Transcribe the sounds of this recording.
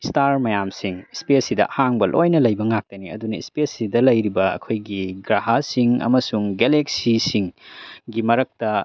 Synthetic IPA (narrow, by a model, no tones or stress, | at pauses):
istaɾmɐjamsiŋspesidɐ̰haŋbɐlʔo̰jnɐlɐjbɐŋak̚tɐniɐ̰dunɐispesidɐlɐjɾibɐɐ̰kʰojɡiɡɾaɦasiŋɐ̰mɐsuŋɡeleksisiŋɡimɐɾɐk̚tɐ